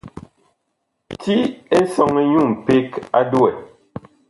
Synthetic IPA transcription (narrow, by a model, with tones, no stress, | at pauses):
tʰi˦e˦sɔ˨ŋɛ˨ɲu˦˨m̩˨pe˦ka˦du˦˨ɛ˨